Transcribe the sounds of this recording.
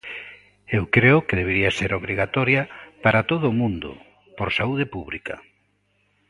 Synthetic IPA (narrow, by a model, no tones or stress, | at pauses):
ewkɾeʊkeðeβ̞eɾiaseɾoβɾiɣat̪ɔɾjɐpaɾat̪oðʊːmũnd̪ʊ̰ | poɾsauð̞epuβlikɐ̰